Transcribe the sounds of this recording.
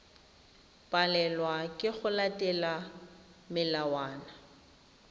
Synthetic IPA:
pʼalɛlwakʼɪχʊlatʼɛla | mɪlawaːna

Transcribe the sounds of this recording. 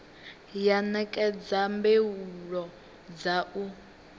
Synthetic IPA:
janɛkʼɛd͡zambeuɺɔ | d͡zaʔu

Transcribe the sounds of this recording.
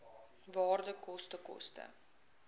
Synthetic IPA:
vɑːrdəkɔstəkɔ̰stə̰

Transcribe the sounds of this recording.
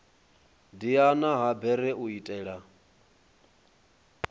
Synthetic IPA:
dianaɦabɛɾɛʔuitʼɛːɺa

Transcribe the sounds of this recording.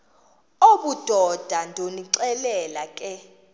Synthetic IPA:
oɓud̥ʱɔd̥ʱandʱoniǀɛlɛlakʼɛ

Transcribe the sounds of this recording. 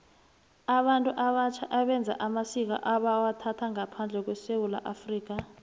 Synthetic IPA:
aɓantʼuʔaɓat͡ʃʰaʔaɓɛnd͡zʱa̰ʔamasik̬a̰ʔaɓawatʰatʰaŋapʰand͡ɮʱɛk̬wɛsewula̰ʔafriːk̬a

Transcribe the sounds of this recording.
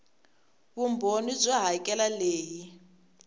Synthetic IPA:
βumbʱonib͡ʐʷɔɦaikʼɛlaleːji

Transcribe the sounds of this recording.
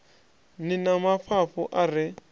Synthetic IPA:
nɪnamafafʊʔarɪ

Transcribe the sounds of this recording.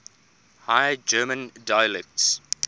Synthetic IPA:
hajəd͡ʒɜːmə̃ndajəlɛk̚ts

